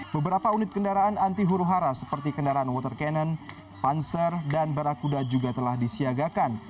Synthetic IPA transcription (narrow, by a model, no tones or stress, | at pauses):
bəbəɾapaunɪt̪̚kəndaɾaːnant̪iɦuɾuɦaɾasəpərt̪ikəndaɾaanwɔt̪ərkɛnən | pansərdanbaɾakudad͡ʒuɡat̪əlahdisiaɡakan